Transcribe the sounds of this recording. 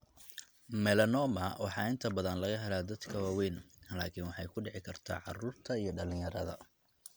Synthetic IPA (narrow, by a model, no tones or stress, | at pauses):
mɛlɐnɔːmɐwɑħɑːɪnt̪ʰɐbɐðɐnlɐɣɐɦɛlaːd̪ɐd̪kʰɐwaːwɛjnlaːkʰiːnwɑħɑjkʰʊɖɪʕɪkʰɐrt̪ʰa̰ːʕɑ̰ruːrt̪ʰɐijɞɖɐlɪ̃ŋjɐɾɐðɐ̰